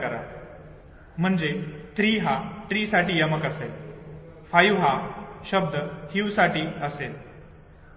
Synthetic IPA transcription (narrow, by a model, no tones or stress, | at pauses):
kəɾa̰ | m̤əɳd͡zeʈ̪ɾiːɦaʈ̪ɾiːsaʈiːjəməkəsel | fajʋɦaɕəb̚d̪ʱət̪ʰiwsaʈiːəsel